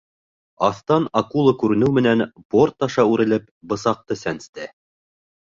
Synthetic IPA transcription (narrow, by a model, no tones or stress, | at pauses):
ɑθt̪ɑnɑkulˠɤkʉɾɘ̆nɘwmɘ̆nænb̥ort̪ːɑʃɑʉɾɘ̆lɘp̚ | bɤ̆sɑq̚t̪ɤsænst̪æ